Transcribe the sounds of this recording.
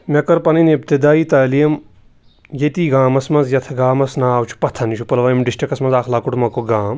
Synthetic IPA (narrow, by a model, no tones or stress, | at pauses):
mʲɐkɐɾpɐninep̚t̪id̪aːjit̪aːlijm | jet̪iːɡaːmɐsmɐnzjɐt̪ʰɡaːmɐsnaːwt͡ʃʰu̥pɐt̪ʰɐnʃʰupɐlʋaːjimɖisʈɾikɐsmɐnzaːkʰlaːkuʈmɐkoɡaːm